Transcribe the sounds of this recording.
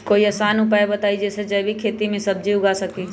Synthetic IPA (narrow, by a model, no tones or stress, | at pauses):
koːiəsaːnʊpaːebət̪aːid͡ʒɛːsed͡ʒəbʱikʰeːt̪imẽsəb̚d͡ʒiʊɡasəki